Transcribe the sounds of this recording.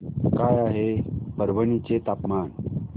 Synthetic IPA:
kajaɦepəɾʋənit͡set̪apman

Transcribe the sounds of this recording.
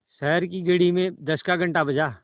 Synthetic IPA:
ʃɛːɾkiɡəɽimẽd̪əskaɡə̃ɳʈabəd͡ʒaː

